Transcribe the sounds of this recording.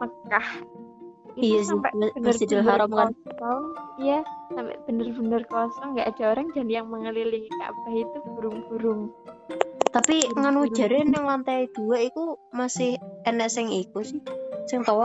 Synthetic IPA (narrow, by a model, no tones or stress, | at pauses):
məkah | itijassampɛ̰ʔbnəd̪id̪əlɦaɾɔmkɔɔŋjasampɛ̰ʔb̥ə̤nərbə̤nərkɔsɔŋŋɡaʔad̥a̤oɾaŋd͡ʒ̥a̤nijaŋməŋəliliŋika̰baɦit̪uɡ̥uɾʊŋb̥uɾʊŋ | t̪apiŋanud̥d͡ʒ̥a̤ɾɪnɛŋlant̪ɛjd̪̥uwaikumasɪhɛnɛʔsɪŋikusɪhsɪŋt̪ɔwɔ